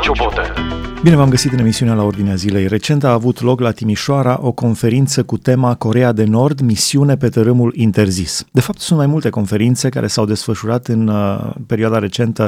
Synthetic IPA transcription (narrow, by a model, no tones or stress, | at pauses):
obine̞vamɡəsit̪ɨne̞misiunealao̞rd̪ineazile̞jre̞t͡ʃe̞nt̪aːvut̪lo̞klat̪imiʃoaɾaʔo̞ko̞nfe̞ɾint̪səkut̪e̞mako̞ɾe̞ad̪e̞no̞rd̪misiune̞pe̞t̪əɾɨmulint̪e̞rzisd̪e̞fap̚t̪sunt̪majmult̪e̞ko̞nfe̞ɾint̪se̞ka̰ɾʔe̞sawd̪e̞sfəʃuɾat̪ɨnpeɾioad̪aɾe̞t͡ʃe̞nt̪ə